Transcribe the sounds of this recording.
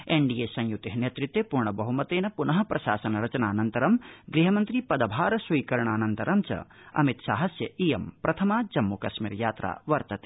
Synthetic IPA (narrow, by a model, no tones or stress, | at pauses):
eɳɖijeːsɐ̃jjut̪ːeɦɐneːt̪ɾit̪ːjepuɾɳɐbɐɦumɐt̪eːnɐpunɐɦɐ̆pɾɐʃaːsɐnɐɾɐt͡ʃɐnaːnɐnt̪ɐɾɐmɡɾiːɦɐmɐnt̪ɾipɐd̪ɐbʱaːɾɐsujkɐɾɐɳaːnɐnt̪ɐɾɐmt͡ʃɐ̰ | ɐ̰mit̪saːɦɐsjɐʔiːjɐmpɾɐt̪ʰɐmaːd͡ʒɐmːukɐʃmḭːɾjaːt̪ɾa̰ːʋɐɾt̪ɐt̪e̥ː